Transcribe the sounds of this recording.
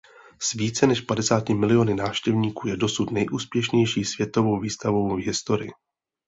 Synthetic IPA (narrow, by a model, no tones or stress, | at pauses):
sviːt͡sɛnɛʃpadɛsaːcɪmɪlɪo̞nɪnaːfʃcɛvɲiːkuːjɛdo̞sut̪nɛjʔuːspjɛʃɲɛjʃiːsvjɛt̪o̞vo̞wviːst̪avo̞wvɦɪst̪o̞ɾɪ̰ɪ̰